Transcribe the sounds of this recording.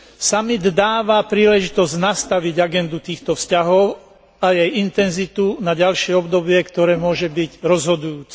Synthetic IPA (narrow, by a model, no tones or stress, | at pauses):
samid̪d̪aːʋapɾiːlɛʒit̪ɔzɟnast̪aʋiɟaɡɛnd̪ut̪iːxt̪ɔfscaɦɔʊ | ajɛjint̪ɛnzit̪unaɟalʃɪɛɔbd̪ɔbɪɛkt̪ɔɾɛːmʊɔʒɛbiɟɾɔzɦɔd̪ujuːt͡sɛ̥